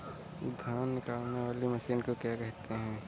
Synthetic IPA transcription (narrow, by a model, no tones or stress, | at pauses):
d̪ʱjaːnːɪkaːlneʋaːlimɐʃiːnkokjaːkɛɦt̪eɦɛ̃ː